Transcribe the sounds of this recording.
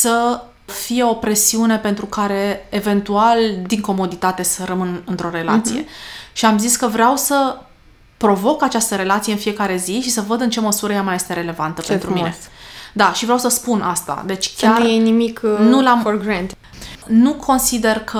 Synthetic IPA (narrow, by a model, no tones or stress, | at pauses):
sə | fije̞o̞pɾe̞siune̞pe̞nt̪ɾukaɾe̞ːve̞nt̪uald̪iŋko̞mo̞d̪it̪at̪e̞səɾəmɨnɨnt̪ɾo̞ɾe̞la̰t̪sije̞̰ʃiamziskəvɾeawsə | pɾo̞vo̞kat͡ʃast̪əɾe̞lat̪sijeɨnfije̞kaɾe̞ziʃisəvəd̪ɨnt͡ʃe̞məsuɾəjamaje̞st̪e̞ɾe̞le̞vant̪əpent̪ɾumined̪aʃivɾeawsəspunʔast̪a̰d̪e̞t͡ʃʲkʲaujenimiknulamoɡɾɛnd̪ | nukʰo̞nsid̪e̞rkʰə